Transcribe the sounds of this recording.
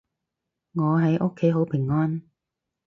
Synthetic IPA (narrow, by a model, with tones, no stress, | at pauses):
ŋɔː˨˧ɦɐ˨˥jʔʊ˥kʰːe˨˥jɦo˨˥wpʰɪ˨˩ŋːɔː˥n